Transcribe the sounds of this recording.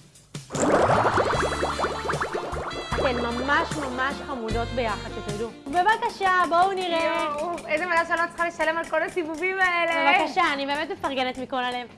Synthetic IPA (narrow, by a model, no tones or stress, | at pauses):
atenmamaʃmamaʃχamudo̞tbe̞jaχad̪tet̪od̪u | be̞vakaʃabouniʁeuezevadaʃealot͡sχale̞ʃalemalko̞lasivuvimaeleevakaʃaːnibe̞ːme̞t̪me̞faʁɡenet̪mikolale̞v